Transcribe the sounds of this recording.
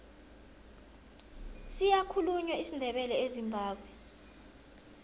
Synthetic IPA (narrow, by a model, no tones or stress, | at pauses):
sijakʰuluɲwaisindʱɛɓɛlɛezimbʱaːɓwɛ